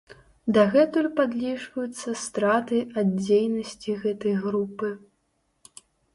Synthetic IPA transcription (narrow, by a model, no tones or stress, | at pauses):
d̪ɐɣɛt̪ulʲpad̪lʲiʐvɐjut̪sːɐst̪ɾat̪ɨʔad̪̚d͡zʲejnɐsʲt͡sʲiɣɛt̪ɐjɣɾupɨ